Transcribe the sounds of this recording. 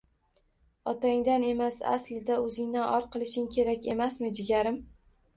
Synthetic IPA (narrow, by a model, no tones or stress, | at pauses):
ɒt̪ʰaŋd̪ane̞masa̰slɪd̪aɵzɪŋnanʔɒɾqʰɨlˠɪʃɪŋkʲʰe̞ɾakʲe̞masmɪd͡ʒɪɡʲaɾɪm